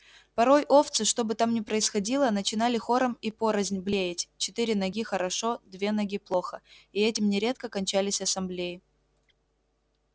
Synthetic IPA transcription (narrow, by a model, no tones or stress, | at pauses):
pɐɾo̞jʔo̞ft̪sɨʂt̪o̞bɨt̪amnʲɪpɾəɪsxɐdʲilˠənət͡ɕɪn̪alʲɪxo̞ɾəmipo̞ɾəzʲnʲblʲejɪtʲt͡ɕɪt̪ɨɾʲɪnɐɡʲixəɾɐʂo̞d̪vʲe̞nɐɡʲiplˠo̞xəiɛtʲɪmnʲɪɾʲe̞t̪̚kəkɐnʲt͡ɕælʲɪsʲɐsɐmblʲejɪ